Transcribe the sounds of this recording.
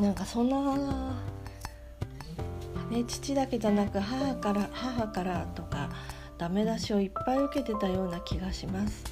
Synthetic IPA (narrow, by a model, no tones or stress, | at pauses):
nãŋkasõ̞nːa | ne̞t͡ɕi̥t͡ɕid̪ake̞d͡ʑanakɯ̟ɦahakaɾahaɦakaɾat̪o̞ka | d̪̥ame̞d̪aɕio̞ipːaiɯ̟ke̞t̪e̞t̪ajo̞ːnakʲiɡaɕimasɨ̥